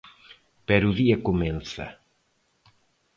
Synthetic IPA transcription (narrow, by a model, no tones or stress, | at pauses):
pɛɾuðiɐkumɛ̃nsɐ̰